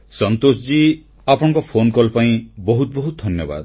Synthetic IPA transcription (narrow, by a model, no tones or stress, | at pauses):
sɔnt̪osd͡ʒi | apɔɽ̃ɔŋkɔpʰonkɔlpaĩbɔɦut̪bɔɦut̪ɔd̪ʱɔnjɔba̰d̪